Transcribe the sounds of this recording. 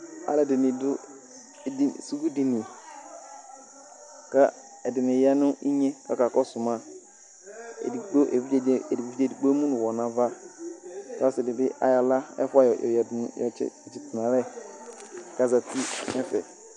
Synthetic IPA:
a̰˦lɛ˨dɪ˨nɪ˨dʊ˦ | i˨su˦ɡu˦di˨ni˨ | ka˦ | ɛ˨dɪ˨nɪ˨ja˦nʊ̃˦ʔi˦ɲe˦ka˦ka˨kɔ˦sʊ˨ma˦ | ḛ˨di˨ɡ͡bo˦ʔe˨vi˦d͡ʒdi˨vi˦d͡ʒe˦˨di˨ɡ͡bo˦mũ˦nʊ˨wɔ˨na˨va˦ | ta˦sɪ˨dɪ˨bɪ˦ʔa̰˨˦ja˨la˦ɛ̰˦fa˦j̰jjɔ̰˨ɪ̰˦˨t͡ʃɪ˨tɪ˨nã˨ɾɛ˦ | ka˨za˨ti˦nɛ˦fɛ̰˨

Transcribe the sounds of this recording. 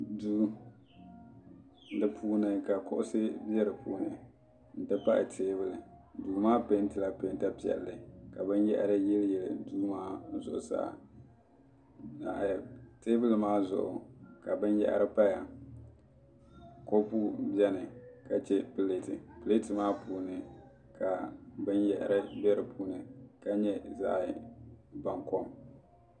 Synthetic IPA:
duː˦ | n˦dɨ˦pʰuː˦nɨ˨ka˨kʊ˦ʔʊ˦sɨ˦bjɛ˦ɾɨ˨puː˦nɨ˨ | n̩˨tɨ˦pa˦ʔɪ̰˨tʰeː˦bɨ˦lɨ˨duː˨maː˦pe˦n˦tɨ˨la˦pe˨˦n˦ta˦pi˦ɛ̰˨lːɨ˨ka˨bɨ˦njɛ˦ʔa̰˨ɾɨ˦jɛ˦ljɛ˨lɨ˨duː˦maː˦zʊ̰˨ʔʊ̰˨sa̰ː˦ʔ | a̰˨ʔjte˦vɨ˦lmaː˦zʊ̰˨ʔʊ̰˨ka˨bɨ˦njɛ̰˦ʔɾɨ˦pa˦ja˨ | ko˦pu˦bjɛ˦nɨ˨ka˨t͡ʃɛ˦pɨ˨le˦tɨ˨pɨ˨le˦tɨ˨maː˦puː˨nɨ˨ | ka˨bɨ˦njɛ˨ʔɾɨ˦bɛ˦ɾɨ˨pʰuː˦nɨ˨ka˦ɲɛ˦za̰˦ʔba˨ŋkɔ˦m

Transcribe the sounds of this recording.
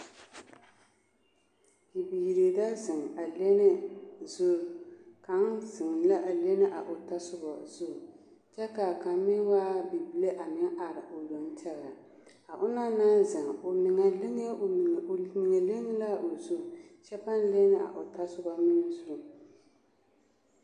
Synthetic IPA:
i˨biː˨ɾe˨da˦zɪ˨ŋ˨a˨le˦nɪ˦zʊ˦˨ka˨˦ŋzɪ˨ŋ˨la˦ʔa˨le˦nɪ˦ʔa̰˨ʔʊ˨ta˦sʊ˦bɔ˨zʊ˦˨ | t͡ʃɛ˦ka˨ka˨˦mɪ˦waː˦bi˨bɪ˦le˦ʔa˨mɪ˦ŋʔa˨ɾɪ˨ʔo˨dɔ˨n˦tɛ˦ɣa˨ | a˨ʔʊ˦na˦naː˦nzɪ˨ŋo˨nɪ˨ŋa˨lɪ˦ŋ˦˨mɪ˨ŋa˨lɪ˦ŋ˦la˦ʔo˨zʊ˦˨t͡ʃɛ˦pa˦n˦le˦nɪ˦a̰˨ʔʊ˨ta˦sʊ˦ba˦mɪ˦nɨ˦zʊ˦˨

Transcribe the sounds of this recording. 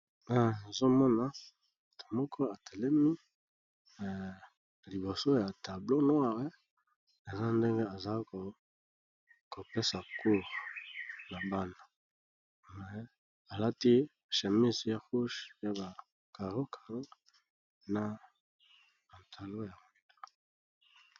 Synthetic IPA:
a˦˨na˨zo˦mɔ˦na˨ | mo˨to̥˨mɔ˦kʰɔ˦a˨tʰe˨le˦mi˦˨ | li˨bo˨so˦ja˨ta˨blo˦no˦a˦˨we˦ | e˨za˦nde˦ŋɡe˦a˨za˨˦ko˨ | ko˨pe˦sa˨kʰu˦˨ʁ | na˨ba˦na˨ | mɛ˨ | a˨la˦ti˦˨ | ʃe˨mi˦sa˦ʁu˦ʃja˦ba˨ | ka˨ʁo˦kʰḁ˨ʁo˦ | na˨ | a˨ntʰa˨lo˦ja˨m˨ta˦

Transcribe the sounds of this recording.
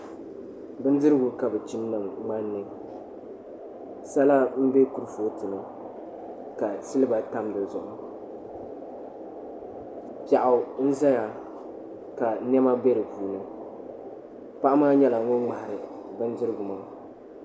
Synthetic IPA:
bɨ˦n̩˦dɨ˦ɾɨ˦ɡʊ˨ka˨bɨ˨t͡ʃi˦m˦nɨ˨ŋŋ͡ma˦nːɨ˦ŋ | sa˦la˦m̩˦be˦ku˨ɾɨ˦fo˦tɨ˨nɨ˦ | ka˨sɨ˦lɨ˦ba˨ta˦mdɨ˨zʊ˨ʔʊ˦ | pa˨ʔa˨˦˨n̩˦za˦ja˨ | ka˨˦nɛ˦ma˦bɛ˦ɾɨ˨puː˨nɨ˦ | pa˦ʔa˦maː˦ɲɛ˦la˨˦ŋo˦ŋ͡ma˨hɪ˨ɾɨ˨bɨ˦n˦dɨ˦ɾɨ˦ɡʊ˨ma˦˨˦

